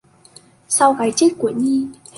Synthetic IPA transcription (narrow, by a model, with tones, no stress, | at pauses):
sa˧wɣaː˨˦jt͡ɕi˦˥t̚ku˧˩əɲi˧ | h